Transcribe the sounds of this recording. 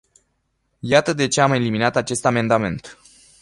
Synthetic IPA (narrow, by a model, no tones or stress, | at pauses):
jat̪əd̪e̞t͡ʃeame̞liminat̪at͡ʃe̞st̪ame̞nd̪ame̞̰nt̪